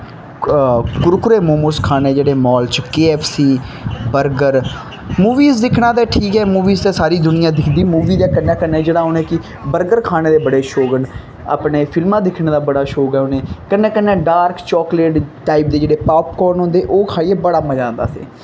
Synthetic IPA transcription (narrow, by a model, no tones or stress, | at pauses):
kʊɾkʊɾeːmoːmʊɾskʰaːneːd͡ʒeːɽeːmɔːlt͡ʃkeːɛːpʰsiːbəɾɡəɾ | muːʋiːzd̪ɪkʰɽãːt̪eːʈʰiːkɦɛːmuːʋiːzt̪eːsaːɾiːd̪ʊnɪjãːd̪ɪkʰd̪iːmuːʋiːd̪eːkənːɛ̃ːkənːeːd͡ʒeːɽaːɦonẽːkɪ | bəɾɡəɾkʰaːneːd̪eːbəɽeːʃoːɡəɳ | a̰ːpɳeːpʰɪlmãːd̪ɪkʰneːd̪aːbəɽaːʃoːɡɛːʊneːkənːẽːkənːɛ̃ːɖaːɾkt͡ʃɔːkleːʈʈaːɪp̚d̪eːd͡ʒeːɽeːpaːpkɔːɾnɦʊ̃nd̪eːʔoːkʰaːiːebəɽaːməd͡ʒãːnd̪a̰ːsḭː